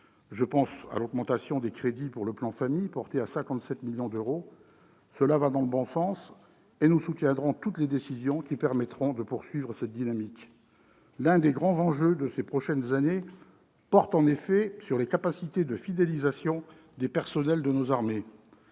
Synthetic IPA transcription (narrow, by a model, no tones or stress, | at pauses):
ʒəpɑ̃sa̰lɔɡmɑ̃t̪asjɔ̃d̪ekχed̪ipuʁləplɑ̃famijpɔʁt̪easɛ̃kɑ̃t̪sɛt̪miljɔ̃d̪øʁo | səlavad̪ɑ̃ləbɔ̃sɑ̃s | enusut̪jɛ̃d̪ʁɔ̃t̪ut̪led̪esizjɔ̃kʲipɛʁmɛt̪χɔ̃d̪əpuʁsɥivʁəsɛt̪̚d̪inamik | lɛ̃d̪eɡʁɑ̃zɑ̃ʒød̪əsepχɔʃɛnzane | pɔʁt̪ɑ̃nefɛsyʁlekapasit̪ed̪əfid̪elizasjɔ̃ | d̪epɛʁsɔnɛld̪ənozaʁme